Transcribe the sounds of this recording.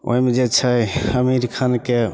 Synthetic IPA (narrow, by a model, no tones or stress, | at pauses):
o̰jmɛd͡ʒet͡ʃʰajəmiɾkʰanke